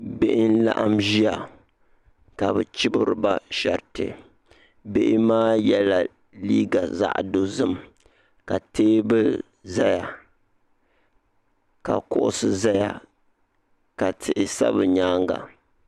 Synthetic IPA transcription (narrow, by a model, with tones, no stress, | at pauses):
be˦ʔɪ˦n̩˦la̰˦ʔa˦mʒi˦a˨ | ka˨bɨ˨t͡ʃɪ˦bɨ˦ɾɨ˨ba˦ʃɛ˨ɾtɨ̰˨ | be˦ʔɪ˦maː˦jɛ˦la˨ | liː˦ɡa˨za̰˦ʔdo˦zɨ˦m | ka˨teː˦bɨ˦ | za˦ja˨ | ka̰˨kʊ˦ʔʊ̰˦sɨ˦za˦ja̰˨ | ka˨tʰɪ˨ʔɪ˨sa̰˦βɨ˨ɲaː˦ŋɡa̰˨